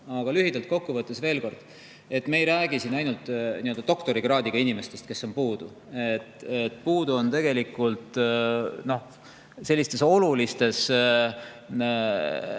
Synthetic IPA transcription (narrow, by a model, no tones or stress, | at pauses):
ɑɡ̥ɑlyɦid̪̥ɑlt̪̚ko̞kːuvɤt̪ːˑesve̞ːlko̞rd̪̥ | e̞t̪meejɾæːɡ̥isinɑjnult̪ˑniø̞ld̪̥ɑt̪o̞kt̪o̞ɾiɡ̥rɑːd̪iɡ̥ɑinime̞st̪e̞st̪ke̞sːo̞npuːd̪̥u | et̪et̪ːˑpuːd̪uo̞nt̪e̞ɡ̥e̞likːˑult̪ | no̞h | se̞lːist̪e̞so̞lulist̪e̞s